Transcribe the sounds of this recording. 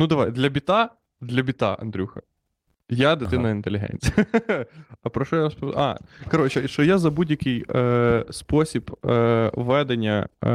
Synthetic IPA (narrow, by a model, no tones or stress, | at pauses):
nud̪ɐʋajd̪lʲɐbʲit̪a | d̪lʲɐbʲit̪a̰ʔɐ̰nd̪ɾʲuxɐ̰ | jad̪ɐt̪ɪnɐɪnt̪elʲɪɦɛ̰nʲt͡sʲij | ɐpɾɔʃɔjaspɑ̰kɐɾɔt͡ʃɛʃɔjazɐbudʲjɐkɪj | spɔsʲib | ʋɛd̪enʲːɐ̰